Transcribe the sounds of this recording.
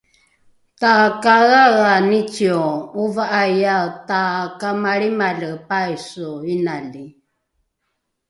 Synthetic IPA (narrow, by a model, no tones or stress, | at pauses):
t̪akaɣaɣanit͡ʃiɔuvaʔajat̪akamaɺimaləpaisɔinali